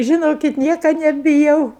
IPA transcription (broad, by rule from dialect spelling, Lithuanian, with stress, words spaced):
ʒʲɪˈnoːkʲɪt ˈnʲiɛkɐ nʲɛbʲɪˈjɛʊ